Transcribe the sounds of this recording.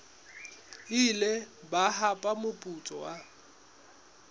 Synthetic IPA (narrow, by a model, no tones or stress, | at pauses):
ɪlebaɦapʼamʊpʼut͡sʼɔwa